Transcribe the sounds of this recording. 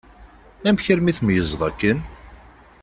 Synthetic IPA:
æmçəɾmiθmjəzˤðˤɑkːən

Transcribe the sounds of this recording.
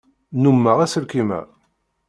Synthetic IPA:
numːəʁæsəɾkimæ̰

